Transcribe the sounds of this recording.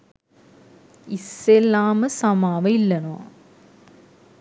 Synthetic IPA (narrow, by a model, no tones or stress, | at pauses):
isːelːaːmɨsɐmaːʋɐilːɐno̰ː